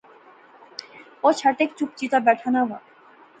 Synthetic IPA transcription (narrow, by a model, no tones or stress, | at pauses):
ot͡ɕʰaʈ̪ekt͡ɕup̚t͡ɕit̪abɛʈʰanaba̰